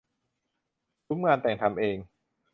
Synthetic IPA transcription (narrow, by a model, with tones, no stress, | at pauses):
tu˦˥mŋaː˧nt̪ɛː˨˩ŋt̪ʰa˧mʔeː˧ŋ